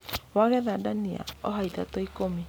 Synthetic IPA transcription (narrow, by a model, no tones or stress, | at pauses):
waɣɛðadania̰ɔɦaiðatoikome